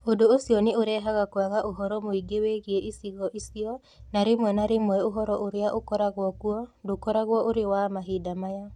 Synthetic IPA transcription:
odoːsiɔneoɾɛɦaɣakoaɣaʔoɦɔɾɔmoiɡeweɣieʔisiɣɔʔisiɔ | naɾemwɛnaɾemwɛoɦɔɾɔʔoɾeaʔokɔɾaɣwɔkuɔdokɔɾaɣwɔʔoɾewamaɦidamaja

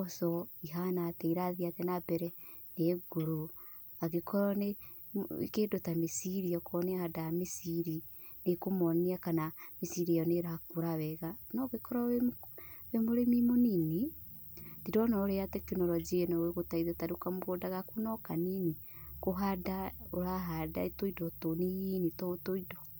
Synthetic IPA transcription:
ɔsɔiɦanaːtɛiɾaðiatɛnabɛɾɛ | neɡoɾo | aɣekɔɾɔnḛ | kedotamisiɾiɔkɔnahadamisiɾi | nekomɔniakanamisiɾijɔneɾakuɾaβɛɣanɔɣekʰɔɾaewemoɾemimonini | diɾɔnɔɾeatɛkinɔɾɔd͡ʒienɔweɣotaiðataɾokamoɣodaɣakunɔkanini | koɦadaoɾaɦada̰etoidɔtonijinitɔtoidɔ

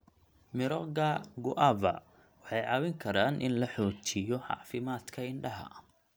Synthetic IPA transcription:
mɪɾɔɣɐɡʊʔɐbɐ̰ | wɑħɑjʕɑwɪŋkʰɐɾaːnʔɪ̰nlɐħɔːt͡ʃɪjɔʕɑ̰ʕfɪmaːd̪kʰɐɪɳɖɐɦɐ̰

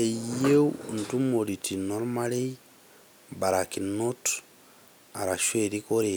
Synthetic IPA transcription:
ejewntumoɾitinoɾmalej | baɾakinːot | aɾaʃweɾikoɾe

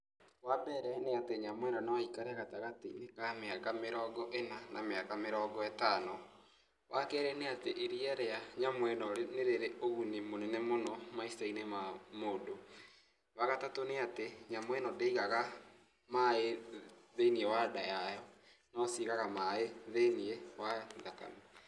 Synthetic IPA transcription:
wabɛɾɛneateɲamwɛnɔnawaikaɾeaɣataɣatinekameakameɾɔɡɔʔenanʔameakameɾɔːɡɔɛtanɔ | wakɛːɾɛneateʔeɾiaɾeaɲamwɛnɔɾneɾeɾeʔoɣunemonɛnɛmonɔmaisainemamodo | waɣatatoneateɲamwɛnɔdeiɣaɣa | maeðeiniɛwadajajɔ | nɔsiɣaɣamaeðeniɛwaðaka̰no

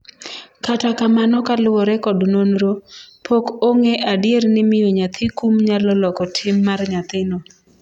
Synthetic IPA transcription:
katakamanɔkalwɔɾɛkɔdnonɾopʰokoŋeʔadjernɪmɪjoɲat̪ʰɪkumɲalɔlɔkɔtʰɪmːarɲat̪ɪno

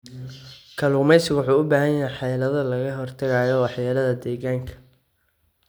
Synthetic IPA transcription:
kʰɐluːmɛjsɪɣwʊħuːʊbaːɦɐjɐjɛjħɑjlɐðɐlɐɣɐɦɔrt̪ʰɐɣaːjɔwɑħjaːlɐðɐd̪ɛːɣaːŋkʰɐ̥

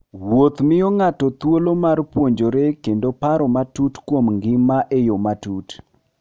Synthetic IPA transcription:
wot̪mɪɔŋatɔt̪wolomarpwoɲd͡ʒoɾekendopaɾɔmatutkwomŋɡɪmaʔejomatut

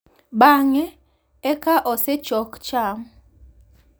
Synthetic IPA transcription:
ɓaŋɛ | ɛkaʔɔsɛ̥t͡ʃɔkt͡ʃaːm

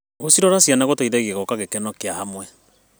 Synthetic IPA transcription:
ɣosiɾɔɾasianaɣotaiðɛɣieɣɔkaɣekɛnɔkeahamwɛ

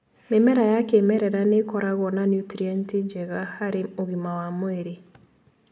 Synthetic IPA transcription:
memɛɾajakeːmɛɾɛɾanekɔɾaɣɔnanjutɾianted͡ʒɛɣahaɾeoɣimawamoɛɾe

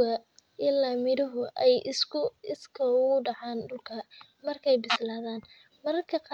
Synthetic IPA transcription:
ɐʔɪlaːmɪɾʊɦʊʔɛjsʊɪskʰɐɣʊɖɑʕaːnɖʊlkʰɐ | mɐrkʰɛjbɪslaːðaːn | mɐɾɐrkʰɐq

